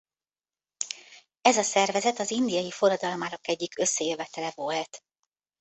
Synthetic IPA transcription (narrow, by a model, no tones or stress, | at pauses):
ɛzɒsɛrvɛzɛt̪ɒzind̪ijɒjifoɾɒd̪ɒlmaːɾokɛɟːikø̞sːɛjøvɛt̪ɛlɛvolt̪